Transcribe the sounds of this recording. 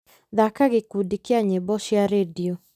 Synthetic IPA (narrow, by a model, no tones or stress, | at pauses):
ðakaɣɪkudikɪaɲebɔʃjaɾedio